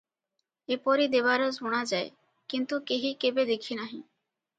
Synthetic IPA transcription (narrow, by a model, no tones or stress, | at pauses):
epɔɾid̪ebaɾozʱuɽ̃ad͡ʒae | kint̪ukeɦikebed̪ekʰinaɦĩ